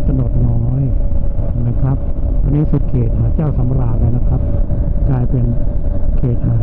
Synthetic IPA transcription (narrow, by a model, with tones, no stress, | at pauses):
t̪a˧no˨˩t̪̚nɔː˦˥j | na˦˥˩kʰɾa˦˥p̚ːʰ | a˧niː˦˥˩su˨˩t̪̚kʰeː˨˩t̪̚haː˨˩˦t͡ɕɛː˥˩wsa˨˩˦ma˧laː˧˩laː˧˩na˦˥kʰɾa˦˥p̚klaː˧jpe˧nkʰeː˨˩t̪̚haː˨˩˦